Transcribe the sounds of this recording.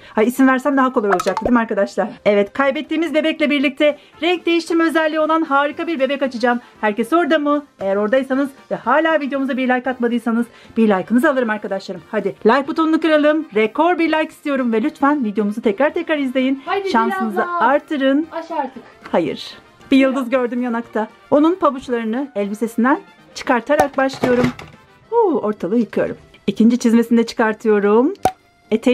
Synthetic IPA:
haisimvæɾsæmd̪aɦakoajo̞lˠud͡ʒak̚d̪̥ed̪imaɾkad̪aʃlˠaɾɛvɛt̪kʰajbɛt̪ːiːmizbe̞bɛclʲɛbiɾlʲic̚t̪ʰɛ | ɾɛk̚d̪e̞jiʃt̪ʰiɾmɛøzɛlʲːijo̞lˠanɦaːɾɯkabiɾbe̞bɛkat͡ʃʰɯd͡ʒaːm | hæɾcɛso̞ɾd̪amue̞jæɾo̞ɾd̪ajɯsanɯzvɛhaːlʲaːvid̪jo̞muzabiɾlʲajkːat̪mad̪ɯjsanɯz | b̥iɾlʲajkʰɯnɯzalˠɯɾɯmaɾkad̪aʃlˠaɾɯmhad̪ɪlʲajk̚but̪unlˠukɯɾalˠɯmɾɛkʰo̞ɾbiɾlʲajki̥st̪ijo̞ɾumvɛlʲyt̪fænvid̪ejo̞muzat̪ʰɛcɾaɾt̪ʰɛcɾaɾizlʲe̞jinʃansɯnɯzɯaɾt̪ʰɯɾɯnɾt̪ɯkhajɯ̰ɾ̥ | b̥ijɯlˠd̪uzɟøɾd̪ymjanakt̪ʰa | o̞nunpʰabut͡ʃlˠaɾɯnɯɛlʲbise̞sind̪æn | t͡ʃʰɯ̥kaɾt̪ʰaɾak̚baʃlˠɯjo̞ɾum | uo̞ɾt̪ʰalˠɯjɯkʰɯjo̞̰ɾṵm | icʰind͡ʒit͡ʃʰizmesind̪ɛt͡ʃʰɯ̥kaɾt̪ʰɯjo̞ɾum | et̪ʰe

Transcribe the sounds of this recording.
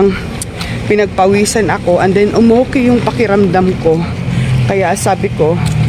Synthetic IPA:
ŋ | pɪnɐɡ̚pɐwiːsɐnɐko̞ʔɐnd̪ɛnʔʊmokɪjʊŋpɐkɪɾɐmd̪amko̞ | kɐjaʔsaːbɪko̞

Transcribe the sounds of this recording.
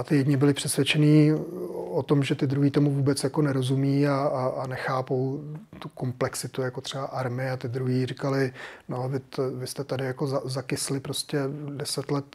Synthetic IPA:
at̪ɪjɛdɲɪbɪlɪpr̝̥ɛsvjɛt͡ʃɛniː | ot̪o̞mʒɛt̪ɪd̪ɾuɦiːt̪o̞muvuːbɛt͡sjako̞nɛɾo̞zumiːaːnɛxaːpo̞w | t̪uko̞mplɛksɪt̪ujako̞t̪r̝̥ɛbaʔaɾmɪɪat̪ɪd̪ɾuɦiːrɪkalɪnovɪt̪vɪst̪ɛt̪adɪjako̞zazakɪslɪpɾo̞scɛdɛsɛt̪lɛt̪

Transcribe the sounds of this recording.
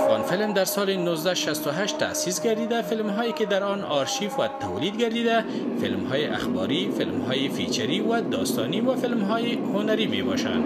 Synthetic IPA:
afɣɔnfɪlmd̪aɾsɔlɪnʊzd̪aʃast̪ʊɦaʃt̪ːa̰sisɡaɾd̪id̪afɪlmɦɔːjekɪd̪aɾɒnɒɾʃifwat̪awlid̪ɡaɾd̪id̪a | fɪlmhɔjɪʔa̰xbɒ̰ɾifɪlmhɔjɪfit͡ʃaɾiwad̪ɒst̪ɔ̰niwafɪlmɦɔjɪhʊnaɾimḛbɔ̰ʃa̰nd̪

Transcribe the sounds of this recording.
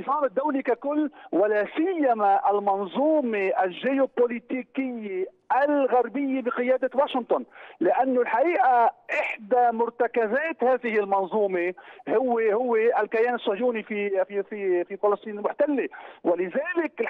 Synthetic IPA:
fɑːmɪd̪ːawlikakʊlːwɪlaːsɪjːamaʔalmɑnzˤuːmeʔalʒɪjopolit̪iːkɪjːe | ʔalɣaɾbɪjːebɪqɨjaːd̪awaːʃɪnt̪ˤʊnlɪʔanːʊlħaʔiːʔaʔɪħd̪amʊɾt̪akazaːt̪haːðɪhɪlmɑnzˤuːmehʊwːehʊwːeʔalkajaːnɪsˤːʊjuːnifififififɑlɑsˤt̪ˤiːnmʊħt̪alːewalɪðaːlɪk

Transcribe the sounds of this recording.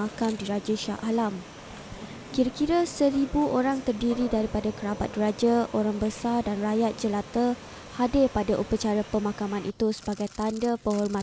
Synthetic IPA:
akamdiɾad͡ʒaʃa̰ʔalam | kiɾakiɾəsəɾibuʔoɾaŋt̪ərdiɾidaɾipadakəɾabat̪̚ɡəɾad͡ʒaʔoɾaŋbəsardanrajat̪̚d͡ʒəlat̪ə | hadɪrpadaʔupət͡ʃaɾapəmãkamãnʔit̪usə̥baɡajt̪andapəɦɔrma

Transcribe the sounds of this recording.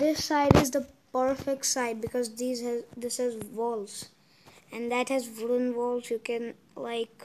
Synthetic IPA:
d̪ɪsːaɪɾɪzd̪əpəɾfek̚ʈsaɪɖ̚bɪkɔzd̪iːzd̪ɪshɛzʋɔlz | ɛ̃nd̪æʈhɛzʋʊɾə̃nʋɔːlzjukɛ̃n | laɪk

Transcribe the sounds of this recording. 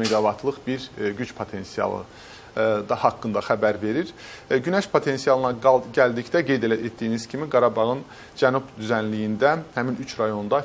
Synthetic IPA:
meɡɑvɑt̪ʰlˠɯχbiɾɟyt͡ʃpʰo̞t̪ʰe̞nsijɑ̰lˠɯ̰ | d̪ɑhɑkːɯnd̪ɑxæbæɾve̞ɾiɾ | ɟynæʃpʰot̪ʰe̞nsijɑlˠɯnɑɟæld̪icd̪æɡe̞jd̪elet̪̚d̪ijiniz̥cʰimiɡɑɾɑbɑʁɯn | d͡ʒænubd̪yzænlijind̪æhæminyt͡ʃʰɾɑjo̞nd̪ɑ

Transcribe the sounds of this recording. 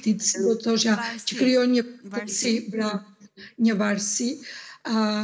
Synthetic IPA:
t̪it̪siɔt̪ɔʃjacəkɾijɔɲət̪əsipɾaɲəvaɾsi

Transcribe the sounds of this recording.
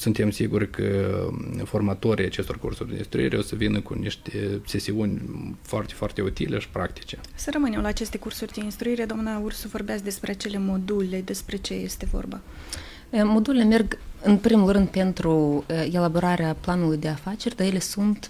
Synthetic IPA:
sunt̪e̞msiɡurʲkʰə̰ | fo̞rmat̪oɾʲijat͡ʃe̞st̪o̞rkṵrsurʲd̪eḭnst̪ɾṵḭɾeo̞səvinəkṵniʃt̪ese̞siunʲfoart̪efoart̪e̞ut̪ḭle̞ʃi̥pɾakt̪i̥t͡ʃe̞səɾəmɨne̞mlaːt͡ʃe̞st̪e̞kursurʲd̪e̞inst̪ɾuiɾe̞d̪oamnaursuvo̞rbeasd̪espɾeat͡ʃe̞le̞mo̞d̪ulʲe̞d̪e̞spɾe̞t͡ʃe̞je̞st̪e̞vo̞̰rba̰ | mo̞d̪ule̞leme̞rɡɨnpɾimulrɨnd̪̚pe̞nt̪ɾue̞labo̞ɾaɾeaplanulujd̪e̞afat͡ʃe̞rʲd̪ajele̞sunt̪

